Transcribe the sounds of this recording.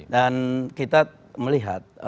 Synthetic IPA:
dankit̪a | məliɦa̰t̪̚

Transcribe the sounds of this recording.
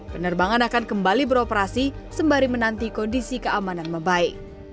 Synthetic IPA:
pənərbaŋanakankəmbalibəɾopəɾasisəmbaɾimənant̪ikɔndisikəamananməbaɪk̚

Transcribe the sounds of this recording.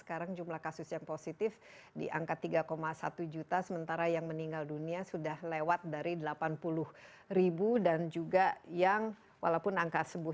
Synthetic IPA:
ə̥kaɾaŋd͡ʒumlahkasʊsjaŋposit̪ɪf | dḭʔa̰ŋkat̪ːiɡakomasa̰t̪ud͡ʒut̪asəmənt̪aɾajaŋməniŋɡalduniasudahlewat̪̚daɾidəlapanpulʊh | ribudand͡ʒuɡajaŋ | wʔa̰laupʊnaŋkasəbʊ

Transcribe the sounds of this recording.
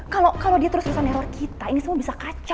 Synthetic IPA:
kalokalodiat̪əɾʊsrusanɛɾɔrkʰit̪ainisəmuabisakat͡ʃa

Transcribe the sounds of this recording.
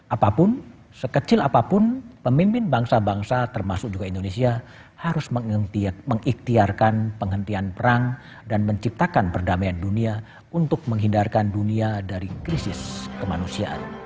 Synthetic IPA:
ʔapapʊn | səkət͡ʃɪlapapʊnpəmimpɪnbaŋsabaŋsat̪ərmasʊk̚d͡ʒuɡaindonesia | haɾʊsməməŋikt̪iarkanpəŋɦənt̪ianpəɾaŋ | danməɲt͡ʃip̚t̪akanpərdamajandunia | unt̪ʊk̚məŋɦindarkanduniadaɾikɾisɪskəmanusia̰ʔa̰n

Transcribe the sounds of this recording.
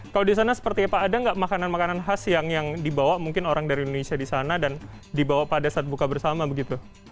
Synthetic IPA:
kaladis̬anasə̥pərt̪iapaːdaŋɡaʔmakananmakananɦasjaŋjaŋdibawaʔmuŋkɪnoɾaŋdaɾiindonesiadisanadan | dibawapadasaːt̪̚bukabərsamabəɡit̪u

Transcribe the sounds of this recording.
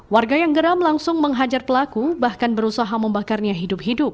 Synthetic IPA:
warɡajaŋɡəɾamlaŋsʊŋməŋɦad͡ʒarpəlakubahkanbəɾusaɦaməmbakarɲaɦidʊp̚ɦidʊp̚

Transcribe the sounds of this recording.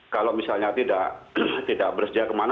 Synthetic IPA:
kalomisalɲat̪idaʔt̪idaʔ̚bərsəd͡ʒiakəman

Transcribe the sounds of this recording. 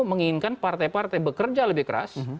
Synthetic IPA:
məŋinkanpart̪ajpart̪ajbəkərd͡ʒaləbɪhkəɾa̰s

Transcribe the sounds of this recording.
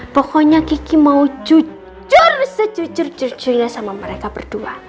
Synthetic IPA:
pɔkɔɲakikimaud͡ʒu | d͡ʒʊrsəd͡ʒud͡ʒʊrd͡ʒʊrd͡ʒʊlasamaməɾekabərd̥ua

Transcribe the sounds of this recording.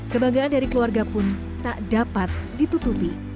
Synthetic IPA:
kəbaŋɡaandaɾikəluarɡapʊn | t̪aʔdapat̪̚dit̪ut̪upi

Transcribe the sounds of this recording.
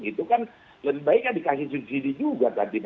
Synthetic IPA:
it̪ukan | ləbɪhbaɪkːadikas̬ɪhs̬udsidid͡ʒuɡak̪adib

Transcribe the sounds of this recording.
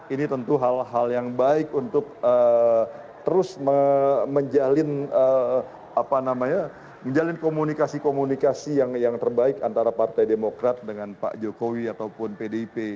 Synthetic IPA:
init̪ənt̪uɦalɦaljaŋbaɪkunt̪ʊk̚ə | t̪əɾʊsməməɲd͡ʒalɪnə | apanamaɲa | məɲd͡ʒalɪnkomunikasikomunikasijaŋjaŋt̪ərbaɪkant̪aɾapart̪ajdemokɾat̪̚dəŋanpa̰ʔd͡ʒokowiat̪awpʊnpedeipe

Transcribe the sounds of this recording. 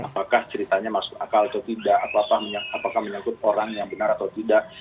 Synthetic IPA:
apakaht͡ʃəɾit̪aɲamasʊ̥ka̰kalat̪at̪idaʔːt̪aapahməɲaapakahməɲakʊt̪̚oɾaŋjaŋbənaɾat̪awt̪idaʔ

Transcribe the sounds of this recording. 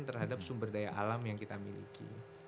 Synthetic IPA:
nt̪ərɦadap̚sumbərdajaʔa̰lamjaŋkit̪amḭlḭkḭ

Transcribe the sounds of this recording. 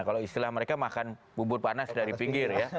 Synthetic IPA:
kaloist̪ilahməɾekamakanbubʊt̪̚panasdaɾipiŋɡɪrja

